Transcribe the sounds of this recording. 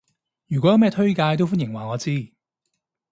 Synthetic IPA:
jy˨˩kɔ˨˥jɐ˨˧wmɛː˥t̪ʰɵ˥ɥkaː˧jt̪̬o˥wfuː˥njɪ˨˩ŋwaː˨˩ŋɔː˨˧t͡siː˥

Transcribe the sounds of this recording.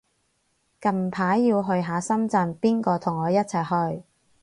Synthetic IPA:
kɐ˨˧m˨pʰaː˨˥jːiː˧wɦɵ˧ɥɦaː˨˧sɐ˥mt͡sɐ˧npiː˥nkɔː˧t̪ʰʊ˨˩ŋɔː˨˧jɐ˥t̚t͡sʰɐ˨˩jhɵ˧ɥ

